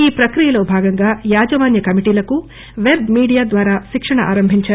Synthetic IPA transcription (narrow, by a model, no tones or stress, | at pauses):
iːpɾɐkɾijɐlo̞ːbʱaːɡɐŋɡaːjaːd͡ʒɐʋaːnjɐkɐmiʈiːlɐku | ʋeɾɖmiːɽijaːd̪ʋaːɾaːʃikʂɐɳɐʔa̰ːɾɐmbʱiɲt͡ʃaː